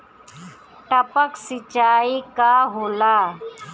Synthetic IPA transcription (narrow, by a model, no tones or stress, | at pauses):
ʈəpəksɪt͡ʃaːikaɦoːlaː